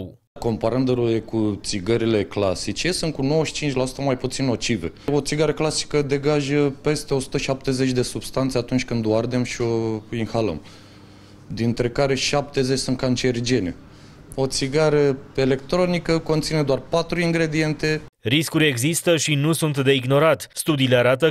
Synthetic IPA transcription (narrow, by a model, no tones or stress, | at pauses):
ko̞mpaɾɨnd̪əɾuekut̪siɡəɾile̞kla̰sit͡ʃe̞sɨn̚kuno̞wəʃi̥t͡ʃint͡ʃʲlasu̥t̪əmajput̪sino̞t͡ʃivḛo̞t̪siɡaɾəklasi̥kəd̪e̞ɡaʒəpe̞st̪e̞o̞su̥t̪əʃap̚t̪e̞ze̞t͡ʃʲd̪e̞sub̥st̪ant̪se̞at̪unt͡ʃʲkɨnd̪oard̪e̞mʃio̞inxalə̰m | d̪int̪ɾe̞kaɾe̞ʃap̚t̪e̞zet͡ʃʲsunt̪̚kant͡ʃerd͡ʒe̞nḛ | o̞t̪siɡaɾəe̞le̞kt̪ɾo̞nikəko̞nt̪sined̪oarpat̪ɾuiŋɡɾe̞d̪ie̞nt̪e̞ɾiskuɾʲe̞ɡzist̪əʃinusunt̪d̪e̞iɡno̞ɾat̪ʲst̪ud̪iːle̞aɾat̪̬ə